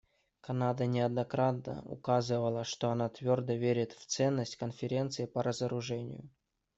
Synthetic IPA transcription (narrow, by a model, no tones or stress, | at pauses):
kɐnad̪ənʲɪɐd̪nɐkɾat̪nə̰ʊ̰kazɨvəlˠəʂt̪oɐnat̪vʲord̪əvʲeɾʲɪt̪ft̪sɛnːəsʲtʲkənfʲɪɾʲent̪sɨɪpəɾəzəɾʊʐɛnʲɪ̰jʊ̰